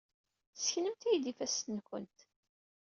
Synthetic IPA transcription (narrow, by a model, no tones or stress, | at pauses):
sçnəmt̪æjd̪ifæsnkə̰nt̪